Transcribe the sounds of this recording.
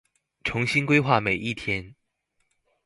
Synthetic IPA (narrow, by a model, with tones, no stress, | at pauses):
ʈ͡ʂʰʊ˨˧˥ŋɕi˥nkwe˥ɪxwa˥˩me˨˩ɪʔi˥˩t̪ʰjɛ˦n